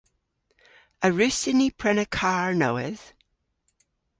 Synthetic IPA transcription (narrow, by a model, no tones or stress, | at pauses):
əɹʉsɪnipʰɹ̥ɛnəkʰaɹnoɪð̥